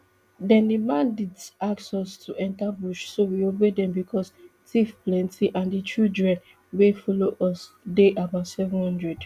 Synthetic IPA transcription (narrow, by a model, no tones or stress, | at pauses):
dɛ̃ndimãndidaksɔstʰuʔɛ̃ntabuʃsowiobedɛ̃mbikʰɔs | tʰifplɛ̃ntʰiʔãndit͡ʃudɹɛ̃n | wefɔloʔɔs | deʔabaʊtsɛvɔ̃nhɔ̃ndɹɛd